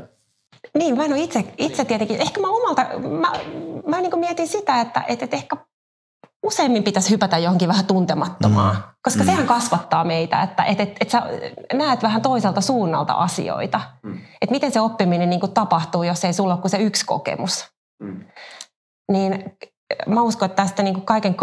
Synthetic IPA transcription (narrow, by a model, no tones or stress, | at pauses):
niːmmænoit̪sekit̪set̪iet̪eŋkiʔehkæmæomɑlt̪ɑmæmæniːŋkumiɛt̪insit̪æet̪ːæ̰ʔet̪et̪ehkæ | useːmːimpit̪æshypæt̪æjjohoŋkiʋæhæt̪unt̪emɑt̪ːomɑ̰ːkoskɑsehæŋkɑsʋɑt̪ːɑːmeit̪æ̰ḛt̪ːæ̰ʔet̪et̪et̪sænæːt̪ʋæhænt̪oiselt̪ɑsuːnːɑ̰lt̪ɑ̰ʔɑsḭo̰it̪ɑet̪mit̪enseopːiminenniːŋkutt̪ɑpɑht̪uːjoseisulːokkuseyksko̰kḛmus | niːn | mæuskoet̪ːæst̪æniːŋkukkɑikeŋk